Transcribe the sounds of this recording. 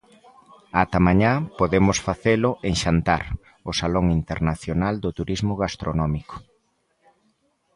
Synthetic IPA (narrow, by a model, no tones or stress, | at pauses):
at̪amaɲapoðemʊsfaθelʊʔeŋʃant̪aɾ | osaloŋint̪eɾnaθjonald̪ʊt̪uɾizmʊɣast̪ɾonɔmiko̥